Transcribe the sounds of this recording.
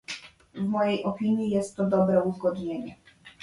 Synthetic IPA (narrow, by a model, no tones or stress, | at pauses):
vmɔjejʔɔpʲiɲjijɛst̪ːɔd̪ɔbɾɛuzɡɔd̪ɲeɲɛ